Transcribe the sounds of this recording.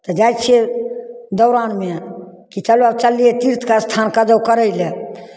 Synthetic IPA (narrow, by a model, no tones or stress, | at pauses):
t̪əd͡ʒajt͡ʃʰe | d̪ɔʊɾanme | kit͡ʃaluabt͡ʃaliet̪iɾt̪ʰkast̪ʰankad͡ʒəwkəɾəjle